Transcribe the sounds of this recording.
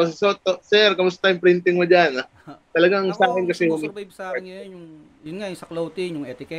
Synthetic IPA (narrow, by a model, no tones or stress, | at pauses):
ʊssot̪ːosɛɾkɐmʊs̬ɐt̪ajʊmpɾɪnt̪ɪŋmod͡ʒana | t̪ɐlɐɡaŋsaːkɪnkɐsɛmʊmiɐbsajjʊŋ | jʊnŋajuŋsɐklowt̪ɪŋjʊŋʔɛt̪ɪkɛ